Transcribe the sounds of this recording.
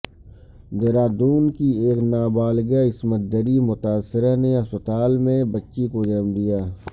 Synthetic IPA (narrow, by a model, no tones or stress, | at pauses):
d̪eːɾaːd̪uːnkieːknaːbaːlɡaɪsmət̪̚d̪əɾimʊt̪aːsːɪɾaneɦɐspət̪aːlmẽbətːʃikod͡ʒəmd̪ijaː